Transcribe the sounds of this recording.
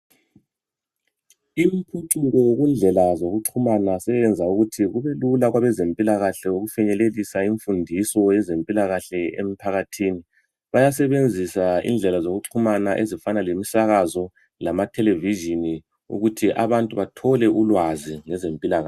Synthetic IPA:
impʰut͡ʃʰʼuɣɔɣund͡ɮʱɛlazoɣuǀʰumanasɛjɛnd͡zʱauɣutʰiɣuβelulaɣwaβɛzempʼilaɣaɬɛuɣufɛɲɛlelisaiɱfundʱisɔjɛzempʼilaɣaɬɛḛm̩pʰaɣatʰiːni | βajas̬ɛβend͡zʱisaḭnd͡ɮʱɛlazoɣuǁʰumanaʔezifanalemisaɣazɔ | lamatʰɛleviʒini | ṵɣutʰiʔaβantʼuβatʰɔlɛʔulwaziŋɛzempʼilaɣa

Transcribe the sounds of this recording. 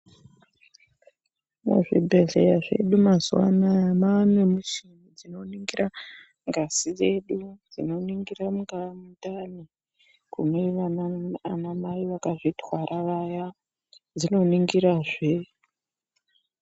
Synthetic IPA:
mṵʐḭbʱe̞ɮḛjaʐe̞̰ɗumazwa̰namanwemuʃinid͡zino̞niŋɡira | ŋɡasid͡ze̞ɗud͡zino̞niŋɡiramuɡamutani | kuneʋanaanamaiʋakaʐitwaɾʔaʋaja | d͡zino̞niŋɡiɾaʐe

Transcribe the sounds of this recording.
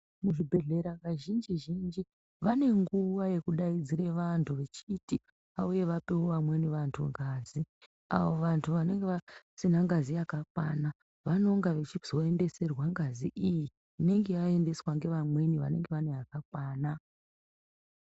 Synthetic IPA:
muʐibʱe̞ɮe̞ɾaʋaʒind͡ʒiʒiːnd͡ʒi | ʋane̞ŋɡuʋaje̞kuɗaid͡ziɾe̞ʋantʰuʋe̞t͡ʃiːti | ʋauje̞ʋapeuʋamwe̞niʋantʰṵŋɡazi | a̰wo̞ʋantʰuʋane̞ŋɡeʋasinaŋɡazijakak̚wana | ʋano̞ŋɡaʋet͡ʃiz̥o̞e̞nde̞se̞rwaŋɡaziʔiji | ine̞ŋɡe̞ae̞nde̞swaŋɡe̞ʋamwe̞niʋa̰ne̞̰ŋɡe̞ʋane̞akak̚waːna

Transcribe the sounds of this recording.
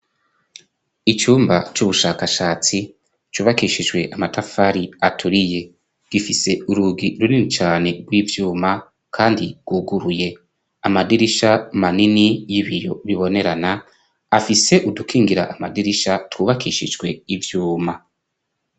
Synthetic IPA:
it͡ʃuːmbat͡ʃuβuʃaːkaʃaːt͡si | t͡ʃuːβakiʃid͡ʒɡwe̞ʔamatafaɾiatʰuɾije̞ | ɡ̥ifise̞uɾuɡiɾuɾinit͡ʃaːne̞ɡwiːvjuːma | kʰaːndiɡ̥uɡuɾuje̞ | amadiɾiʃamaninijiβijo̞̰βiβo̞ne̞ɾana | afise̞ʔudukiːŋɡiɾaʔamadiɾiʃatwuːβakiʃid͡ʒɡwe̞ivjuːma

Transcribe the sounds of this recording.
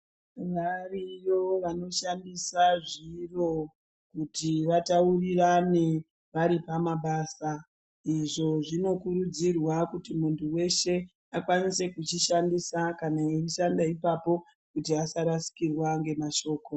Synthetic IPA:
ʋarijo̞ʋano̞ʃandisaʐiro̞ | kutiʋataurirane | ʋaɾipamaɓaːsa | iʐo̞ʐino̞kuɾud͡zirwakutimuntʰuwe̞ʃe̞ | akwanise̞kut͡ʃiʃandisakanaiiʃandaipapo̞ | kutiasaɾasi̥kirwaŋɡe̞maʃo̞ːko

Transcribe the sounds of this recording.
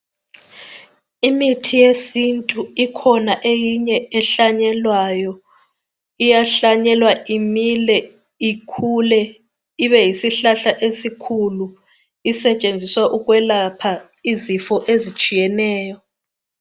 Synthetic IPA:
imitʰijesintʼuikʰɔnaʔejiɲɛɛɬaɲɛlwajɔ | ijaɬaɲɛlwaimilɛ | ikʰulɛ | iβɛjisiɬaɬaʔesikʰulu | isɛt͡ʃʼend͡zʱiswaʔuɣwɛlapʰa | izifɔʔezit͡ʃʼijɛnɛːjɔ

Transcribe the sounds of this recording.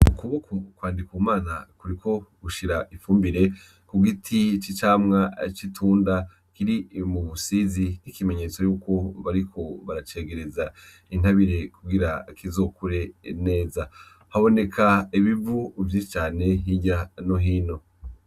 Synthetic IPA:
ukuβokukwaːndikuːmaːnakuɾiko̞ɡ̥uʃiɾaʔifuːmbiɾe̞ | kuɡitʰit͡ʃit͡ʃaːmŋat͡ʃitʰuːnda | kiɾimuβusizinikime̞ɲe̞ːt͡so̞juːko̞βaɾikʰo̞βaɾat͡ʃe̞ːɡe̞ɾeza | in̥haβiɾe̞kuɡiɾakʰizo̞ːkuɾe̞ne̞ːza | haβo̞ne̞kʰaiβivuvjit͡ʃaːne̞ɦiɟanoɦiːno̞

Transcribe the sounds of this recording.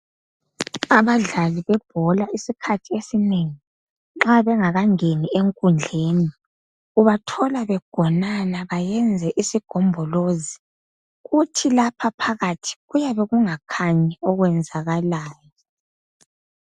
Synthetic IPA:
aβaɮaliβɛb̥̚ʱɔlaisikʰatʰiesineŋi | ŋ͡ǁaβɛŋaɣaŋenieŋkʼund͡ɮʱeːni | uβatʰɔlaβɛɡ̥ʱɔnalaβajɛnd͡zʱɛʔisiɡ̥ʱɔmbʱɔlozi | ɣutʰilapʰapʰaɣatʰi̥ɣujaβɛɣuŋakʰaɲɛɔɣwɛnd͡zʱaɣalaːjɔ

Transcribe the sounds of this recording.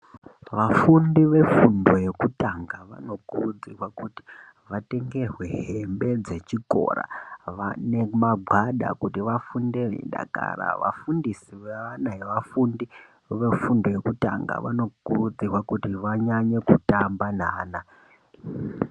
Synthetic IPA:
ʋafundiʋe̞fundo̞je̞kutaŋɡaʋa̰no̞kurud͡zirwakuti̥ | ʋate̞ŋɡe̞rwe̞ɦembe̞d͡ze̞t͡ʃiko̞̰ra̰ʋanemaɡʱwaɗa̰kutiʋafundeʋḛɗa̰ka̰ɾa̰ʋa̰fundisiʋaʋanaɦeʋafundi | ʋe̞fundo̞je̞kuta̰ŋɡa̰ʋa̰no̞kurud͡zirwakutiʋaɲaɲekutambanaːna

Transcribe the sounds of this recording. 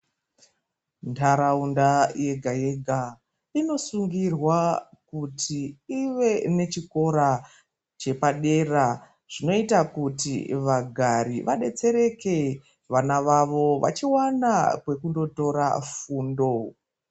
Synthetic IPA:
ntaɾaundaje̞ɡʱaje̞ɡʱa | ino̞suŋɡirwakutiiʋe̞ne̞t͡ʃiko̞ɾa | t͡ʃe̞paɗe̞ːra | ʐ̥ino̞itakutḭʋaɡʱaɾiʋaɗe̞t͡se̞ɾe̞ke̞ | ʋanaʋaʋo̞ʋa̰t͡ʃiwanakwe̞kundo̞to̞ɾa̰fuːndo̞

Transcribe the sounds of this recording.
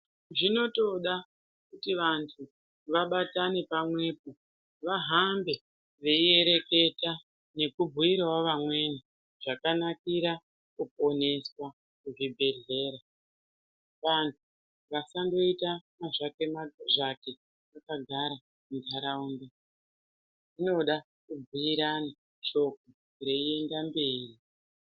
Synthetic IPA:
ʐino̞to̞ɗa | kutiʋantʰu | ʋaɓatane̞pamwe̞ːpo̞ | ʋaɦambe̞ | ʋe̞ie̞ɾe̞ke̞ta | ne̞kubʱuiɾawaʋamwe̞ne | ʐ̥akanakiɾa | kup̚o̞ne̞swa | kuʐibʱe̞ɮe̞ːɾa | ʋantʰu | ʋasando̞itanaʐake̞maʐake̞ | ʋakaɡʱaɾa | undʱaɾaunda | ino̞ɗa | kub͡vʱuiɾana | ʃo̞ko | re̞ie̞ndambe̞ːri

